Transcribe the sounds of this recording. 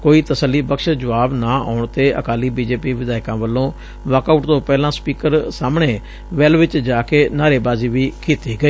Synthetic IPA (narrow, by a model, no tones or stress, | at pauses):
koːiːt̪əsəlːiːbəkʃd͡ʒəʋaːbnaːa̰ːʊɳt̪eːʔə̰kaːliːbiːd͡ʒeːpiːʋɪd̪aːɪkãːʋəlːõː | ʋəːkaːʈt̪õːpɛːlãːspiːkəɾsaːmɳeː | ʋɛlʋɪt͡ʃd͡ʒaːkeːnaːɾeːbaːziːʋiːkʰiːt̪iːɡəeː